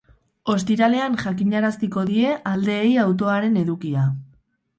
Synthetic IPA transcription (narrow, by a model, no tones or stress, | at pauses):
o̞st̪iɾale̞anʝakiɲaɾast̪iko̞ðie̞ʔald̪e̞ːjawt̪̬o̞aɾe̞ne̞ðukia